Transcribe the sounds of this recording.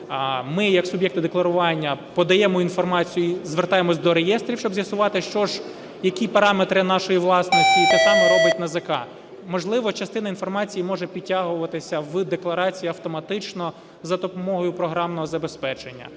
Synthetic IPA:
mɪjɐksʊbʲjɛkt̪ɪd̪eklˠɐɾʊʋɑnʲːɐpɔd̪ɐjɛmɔinfɔrmɑt͡sʲijʊizʋert̪ɑjemɔsʲd̪ɔɾejɛst̪ɾʲiwʃt͡ʃɔbzʲjɐsʊʋɑt̪ɪʃt͡ʃɔʒ | jɐkʲipɐɾɑmet̪ɾɪnɑʃɔjiʋlˠɑsnɔsʲtʲit̪ɛsɑmɛɾɔbɪtʲnɐzɐkɑ̰ | mɔʒlˠɪʋɔt͡ʃɐst̪ɪnɐinfɔrmɑt͡sʲijimɔʒɛpʲitʲːaɦʊʋɐt̪ɪsʲɐʋd̪eklˠɐɾɑt͡sʲijiɐwt̪ɔmɐt̪ɪt͡ʃnɔ | zɐt̪ɔpɔmɔɦɔjʊpɾɔɦɾɑmnɔɦɔzɐbespɛt͡ʃenʲːɐ̰

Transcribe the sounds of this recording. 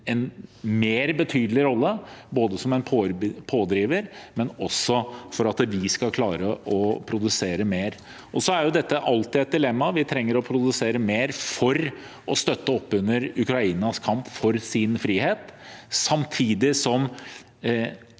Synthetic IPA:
ɛnmeːɾbət̪ʰyːd̪əlɪɾɔlːəboːd̪əsɔmɛnpʰopʰoːd̪ɾiːʋəɾmɛnɔsːɔfɔɾɑt̪ʋɪskɑlkʰlɑːɾəʔɔpʰɾʊd̪ʉseːɾəmeːɾ | ʔɔsɔæɾjʊd̪ɛt̪ːəʔɑlt̪ɪɛɪt̪̚d̪ɪlɛmːɑʋɪt̪ʰɾɛŋːəɾɔpʰɾʊd̪ʉseːɾəmeːɾfɔɾ | ʔɔst̪œt̪ːəɔpːʉnːəɾʉkɾɑiːnɑskʰɑmpfɔɾsɪnfɾiːheːt̪sɑmt̪ʰiːd̪ɪsɔm

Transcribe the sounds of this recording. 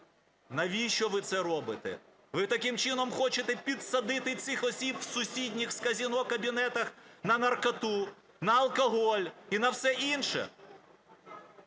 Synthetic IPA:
nɐʋʲiʃt͡ʃɔʋɪt̪sɛɾɔbɪt̪ɛ̰ | ʋɪt̪ɐkɪmt͡ʃɪnɔmxɔt͡ʃet̪ɛpʲid̪sɐd̪ɪt̪ɪt̪sʲɪxɔsʲibwsʊsʲidʲnʲixskɐzʲinɔkɐbʲinɛt̪ɐxnɐnɐrkɐt̪u | nɐːlˠkɐɦɔlʲinɐwsɛʔinʃɛ̰

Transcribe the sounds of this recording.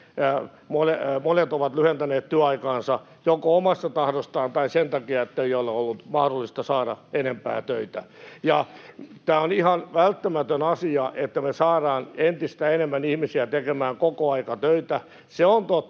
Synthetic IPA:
molemonet̪oʋɑt̪lyhent̪æneːt̪t̪yøɑikɑːnsɑ | jokoomɑst̪ɑt̪ɑhdost̪ɑːnt̪ɑisent̪ɑkiɑet̪ːeijolːeolːut̪mɑhɾolːist̪ɑsɑːɾɑ̰enempæ̰ːt̪øit̪æjɑt̪æːonihɑnʋælt̪ːæmæt̪ønɑsiɑʔet̪ːæmesɑːɾɑːnent̪ist̪æenemːænihmisiæt̪ekemæːŋkokoɑikɑt̪øit̪æ | seont̪ot̪ː

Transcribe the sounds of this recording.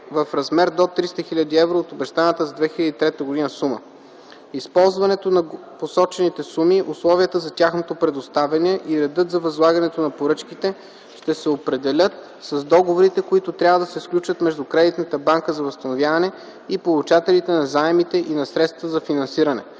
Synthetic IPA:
vɐfɾɐzmɛɾd̪ot̪ɾist̪əxilʲad̪iɛvɾoːt̪obɛʃt̪anət̪əzɐd̪vɛxilʲəd̪it̪ɾɛt̪əɡod̪inəsumə̰ | ispɔlˠzvɐnɛt̪onɐ | posɔt͡ʃɛnit̪ɛsumiʔʊslˠɔviət̪əzɐt̪ʲaxnot̪opɾɛd̪ost̪avɐniɛʔiɾɛd̪ɤt̪zɐvɐzlˠaɡɐnɛt̪onɐpoɾɤt͡ʃkit̪ɛ | ʃt̪ɛsɛopɾɛd̪ɛlʲət̪ | sɐzd̪ɔɡovoɾit̪ɛkoit̪ʊt̪ɾʲavəd̪ɐsɛsklʲut͡ʃvət̪mɛʒd̪ukɾɛd̪it̪nət̪əbaŋkəzɐvɐst̪ɐnovʲjavɐnɛ | ipolˠut͡ʃat̪ɛlit̪ɛnɐzaɛmit̪ɛʔinɐsɾɛt̪st̪vzɐfinɐnsiɾɐnɛ̰

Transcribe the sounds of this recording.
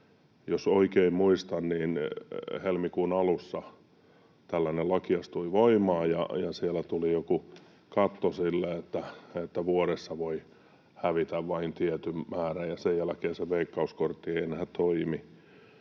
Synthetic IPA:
josoikeimmuist̪ɑnniːnhelmikuːnɑlusːɑ | t̪ælːænelɑkiɑst̪uiʋoimɑːjɑ̰jɑsielæt̪ulijoku | kɑt̪ːosilːeet̪ːæet̪ːæʋuoɾesːɑʋoi | hæʋit̪æʋʋɑint̪iet̪ymmæːræjɑsejælækeːseʋeikːɑuskort̪ːieienhæt̪oimi

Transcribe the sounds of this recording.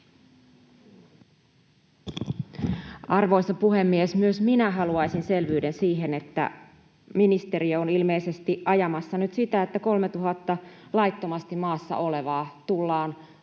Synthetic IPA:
ɑrʋo̞jsɑpuɦe̞mːiesmyøsminæɦɑluɑjsinse̞lʋyːdensiːɦe̞ne̞t̪ːæ̰ | minist̪e̞ɾioonilme̞jse̞st̪iʔʔɑjɑmɑsːɑnyt̪sit̪æet̪ːæko̞lme̞t̪uɦɑt̪ːɑlɑjt̪ːo̞mɑst̪immɑːsːɑ̰ʔo̞le̞ʋɑːt̪ulːɑːn

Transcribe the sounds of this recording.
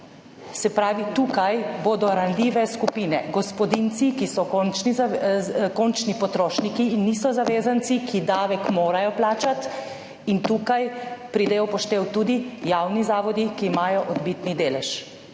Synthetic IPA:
sɛpɾaːʋit̪uːkajboːd̪ɔɾanliːʋɛskupiːnɛɡɔspɔd̪int̪sikisɔkont͡ʃniakont͡ʃnipɔt̪ɾoːʃnikiːnːisɔzaʋeːzant̪sikʰid̪aːʋɛkmoːɾajɔplaːt͡ʃat̪ | int̪uːkajpɾid̪ɛjɔpɔʃt̪eːwt̪uːd̪ijaːwnizaːʋɔd̪ikiːmaːjɔʔɔd̪bit̪nid̪eːlɛʃ

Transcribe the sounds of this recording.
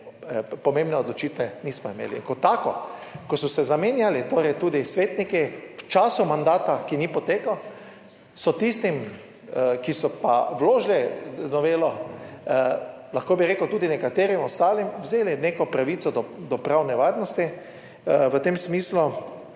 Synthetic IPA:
pɔmẽmbnɛɔd̪lɔt͡ʃiːt̪ʋɛniːsmɔimḛːlḭŋkɔt̪ːaːkɔ̰kɔsɔsɛzameːnjalit̪oːɾɛjt̪uːd̪isʋeːt̪nikiwt͡ʃaːsumand̪aːt̪akinipɔt̪eːkaw | sɔt̪ist̪im | kisɔpa̰wloːʒlinɔʋeːlɔ | laxkobiɾeːkəwt̪uːd̪inɛkat̪eːɾimɔst̪aːlimwzeːlinekɔpɾaʋiːt̪sɔd̪ɔd̪ɔpɾawnɛʋaɾnɔst̪i | ʋət̪eːmsmiːslu

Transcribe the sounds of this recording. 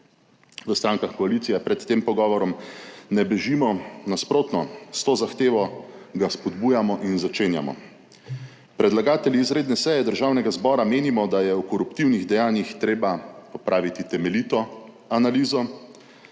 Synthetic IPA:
ʋəst̪ɾaːŋkaxkɔalit̪sijɛpɾɛt̪ːeːmpɔɡɔːʋɔɾɔmnɛbɛʒimɔnaspɾoːt̪nɔst̪oːzaxt̪eːʋɔɡaspɔd̪buːjamɔʔinzat͡ʃeːnja̰mɔ̰ | pɾɛd̪laɡaːt̪ɛliːzɾeːd̪nɛsɛjɛd̪əɾʒaːwnɛɡazbɔːɾameːnimɔd̪ajɛukɔɾupt̪iwniɣd̪ɛjaːnjixt̪ɾeːbapɔpɾʔaːʋit̪it̪ɛmɛlit̪ɔ | analiːzɔ

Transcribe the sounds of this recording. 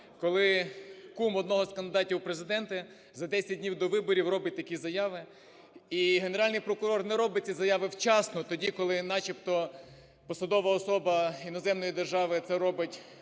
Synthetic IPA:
kɔlˠɪkumɔd̪nɔɦɔskɐnd̪ɪd̪ɑtʲiwpɾezɪd̪ɛnt̪ɐ | zɐd̪ɛsʲɐt̚ʲdʲnʲiwd̪ɔʋɪbɔɾʲiwrɔbɪt̚ʲt̪ɐkʲizɐjɑʋɪ | iɦeneɾɑlʲnɪjpɾɔkʊɾɔrnɛɾɔbɪt̚ʲt͡sʲizɐjɑʋɪwt͡ʃɑsnɔt̪ɔdʲikɔlˠɪnɑt͡ʃipt̪ɔ | pɔsɐd̪ɔʋɐɔsɔbɐinɔzɛmnɔjid̪erʒɑʋɪt̪sɛɾɔbɪtʲ

